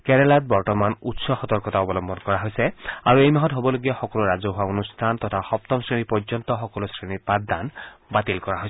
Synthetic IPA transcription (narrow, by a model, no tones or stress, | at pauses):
kɛnɛlat̚bɔɹtɔmanutsɔxɔt̪ɔɹkɔtaɔbɔlɔmbʱɔnkɔɹaɦojsɛaɹuejmaɦɔtɦobɔloɡijaxɔkɔluɹazɔɦʊwaonustʰant̪ɔtʰaxɔp̚t̪ɔmsɹinipɔzɔnt̪ɔxɔkɔlosɹinipatd̪anbat̪ilkɔɹaɦoj